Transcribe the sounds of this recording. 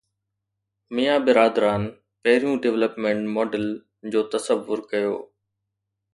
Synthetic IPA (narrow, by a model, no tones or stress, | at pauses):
mijaːbɪɾaːd̪ɾaːn | pɐɦɪɾijũɖɪʋləpmẽɳʈmɔːɖəl | d͡ʑoːt̪ɐsəʋːʊɾkɐjo̰ː